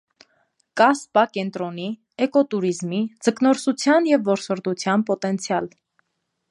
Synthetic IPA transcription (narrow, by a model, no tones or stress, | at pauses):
kɑspɑkɛnt̪ɾɔni | ɛkɔt̪uɾizmid͡zəknɔɾsut͡sʰjɑnjɛvːɔɾsɔɾd̪ut͡sʰjɑnpɔt̪ɛnt͡sʰjɑl